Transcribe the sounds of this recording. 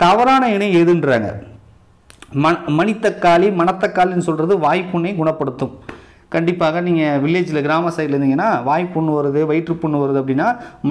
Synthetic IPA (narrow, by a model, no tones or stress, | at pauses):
t̪ɐʋɐɾaːnɐɪɳɐɛðɯnɾa̰ːŋɡɐ̰ | mɐmɐnɪt̪ːɐkːaːlimɐnɐt̪ːɐkːaːlinːɯsɔlːɾɐðɯʋaːjpːʊɳːɐɪɡʊɳɐpːɐɽɯt̪ːɯ̃m | kɐɳɖɪpːaːɣɐniːŋɡɐʋɪɭːeːd͡ʒɪlɐɡɪɾaːmɐsɐɪðlɾɯnd̪ɯŋɡɐnːaːʋaːjpːʊɳːɯʋɐɾɐðɯʋɐɪʈrɯpʊɳːɯʋɐɾɐðɯɐpːɐɽɪnːaːm